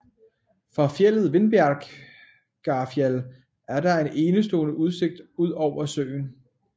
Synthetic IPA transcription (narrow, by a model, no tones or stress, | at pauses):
fʁɑ̈fjel̰ð̞̩ˠʋe̝nb̥æɐɡ̥ | ɡ̥ɑ̈fjæl | æɐɾɑ̈e̝nʔe̝ːnəsd̥o̝ːnəʔuð̞ˠse̝ɡ̥̚d̥uð̞̰ˠɒʊ̰ɐsø̰ːn